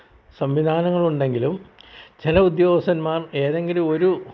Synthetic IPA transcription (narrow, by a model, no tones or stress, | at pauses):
sɐmʋid̪ʱaːnɐŋːɐɭuɳɖe̞ŋɡilumt͡ɕelɐud̪joːɡɐsɐnmaːreːðe̞ŋɡiluo̞ɾu